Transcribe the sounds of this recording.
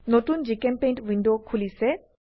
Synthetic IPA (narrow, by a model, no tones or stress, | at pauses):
nɔtund͡ʒikempẽjɳʈʋiɳɖokʰulise